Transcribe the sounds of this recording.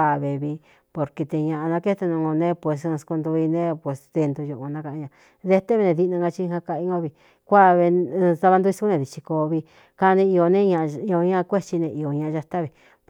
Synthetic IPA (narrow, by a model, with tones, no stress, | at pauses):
a˧˨βe˨βi˧ | po˧ɾke˧t̪e˧ɲã˧ʔa˧nã˧ke˦t̪a˧nũ˧õ˧nẽ˦pwe˨s̬sku˧nd̪u˧i˧nẽ˦pe˨sðe˧nd̪u˧ju˧ʔu˧nã˦ka˧ʔɲã˧ | ðe˧˦t̪e˦βe˧nẽ˧ði˧nã˧ŋɡa˧t͡ʃi˧˦˧hã˧ka˧i˧˦õ˧˦βi˧ | kʷa˦βe˧sa˧βa˧nd̪u˧i˧sku˦nẽ˧ði˨t͡ʃi˧ko˧βi˧ | ka˧nẽ˧i˧o˧nẽ˦ɲã˧i˧o˧ɲã˦˧kʷe˦t͡ʃi˧nẽ˧ʔi˧o˨ɲã˧ʔa˧ʒa˧t̪a˦βi˧ | p